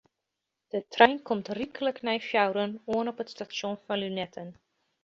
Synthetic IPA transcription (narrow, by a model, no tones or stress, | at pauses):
d̥ətʰrɛjnkʰɔmtrikələknɛjfjawɾənuənɔpətstasjonfɑnlynɛtʰən